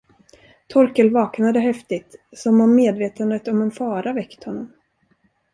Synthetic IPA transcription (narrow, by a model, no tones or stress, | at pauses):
t̪ʰɔɾkəlvɑːknad̪əɦɛft̪ɪt̪sɔmanːeːd̪veːt̪ənd̪ət̪ɔmɛnfɑːɾavɛkt̪hɔnːɔm